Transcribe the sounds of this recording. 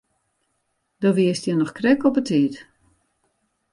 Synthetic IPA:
dɔʋiəstjənɔxkrɛkɔpətʰiːt

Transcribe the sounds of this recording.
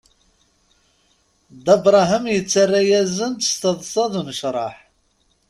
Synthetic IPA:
d̪æbɾˤɑɦəmjət͡sːarːajæzənt̪ə̥st̪əðˤsˤɑðˤunəʃɾˤɑħ

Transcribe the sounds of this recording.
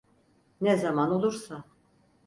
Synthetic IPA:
nɛzamano̞lˠuɾsa

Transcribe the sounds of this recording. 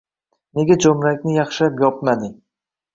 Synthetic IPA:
ne̞ɡʲad͡ʒomɾakʲnɪjɑχʃapjɒp̚mad̪ɪ

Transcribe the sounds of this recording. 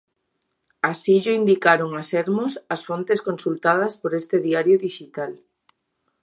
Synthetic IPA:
asiʎʊind̪ikaɾoŋasɛɾmʊsɐsfont̪eskonsult̪að̞ɐspoɾest̪ɪðiaɾjʊðiʃit̪al

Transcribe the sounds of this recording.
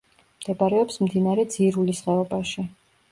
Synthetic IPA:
md̪̥ɛbaɾɛɔpsmd̪inaɾɛd̪z̥iɾulisχɛɔbaʃi

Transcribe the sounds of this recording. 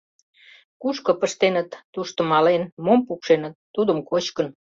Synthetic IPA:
kuʃkopəʃt̪enət̪ːuʃt̪ŏmɑlenmompukʃenət̪ːud̪əmkot͡ɕkən

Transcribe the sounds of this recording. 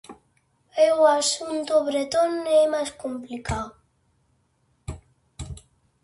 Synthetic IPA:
ewasunt̪oβɾet̪onemaskumplikaw

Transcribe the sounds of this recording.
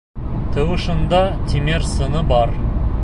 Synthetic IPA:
t̪ʰəwəʃənd̪ɑt̪ʲʰeme̞ɾsənəbɑɾ

